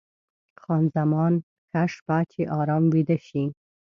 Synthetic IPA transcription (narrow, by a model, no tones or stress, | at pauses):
xɑnzamɑn | kaʃpat͡ʃeʔɑɾɑmwid̪aʃi